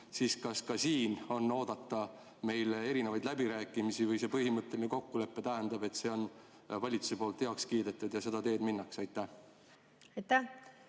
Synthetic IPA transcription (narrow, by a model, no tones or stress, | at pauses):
siːskɑskɑsiːno̞nːo̞ːd̪̥ɑt̪ˑːɑ | me̞jle̞ɾine̞vɑjd̪læbiɾæːkːˑimisivɤjse̞pɤɦimɤt̪ˑːe̞line̞ko̞kːule̞pːet̪æɦend̪̥ɑb̥e̞t̪se̞ːo̞n | vɑlʲit̪su̥se̞po̞ːlt̪he̞ɑkskiːd̪̥e̞t̪ːˑud̪jɑse̞d̪ɑt̪e̞ːd̪minːɑksɑjt̪ːˑæ | ɑjt̪ːæ